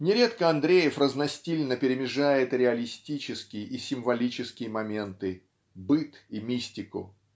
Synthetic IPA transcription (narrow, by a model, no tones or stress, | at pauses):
nʲɪɾʲe̞t̪kəɐnd̪ɾʲejɪfrəznɐsʲtʲilʲnəpʲɪɾʲɪmʲɪʐajɪt̪ɾʲɪɐlʲɪsʲtʲit͡ɕɪskʲɪjəʔisʲɪmvɐlʲit͡ɕɪskʲɪjəmɐmʲe̞nt̪ɨ | bɨt̪imʲisʲtʲɪkʊ̰